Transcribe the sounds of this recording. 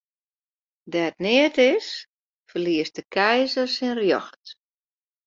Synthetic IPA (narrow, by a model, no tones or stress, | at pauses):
dɛət̚nɪətɪs | fərliəst̚dəkʰɛjzərsɪnrjɔxt